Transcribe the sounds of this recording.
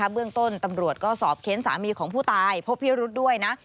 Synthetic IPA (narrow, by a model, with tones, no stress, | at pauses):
a˦˥bɯ˥˩əŋt̪o˥˩nt̪a˧mɾu˨˩ət̪̚kɔː˥˩sɔː˨˩p̚kʰe˧˦˥nsa̰ː˩˦miː˧kʰɔː˩˦ŋpʰuː˥˩t̪aː˧jpʰo˦˥pʰːiː˥˩ɾu˦˥t̪̚du˥˩əjna˦˥ʔ